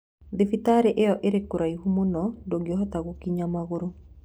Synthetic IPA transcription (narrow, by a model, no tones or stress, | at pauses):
ðifitaɾeʔejɔʔeɾekuɾaihumonɔdoɡeɦɔt̪aɣokiɲamaɣoɾo